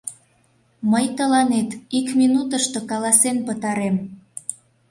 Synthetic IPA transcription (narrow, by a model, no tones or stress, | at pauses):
məjt̪əlɑnet̪ikminut̪əʃt̪okɑlɑsenpət̪ɑɾem